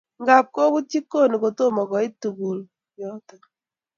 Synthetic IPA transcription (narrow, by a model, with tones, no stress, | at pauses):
ŋɡa˨p̚ko˦βu˦ti˦kːo˦ni˨ko˨to˦mɔ˨kɔ˨i˦tːu˨ku˨l | jɔ˦ta˨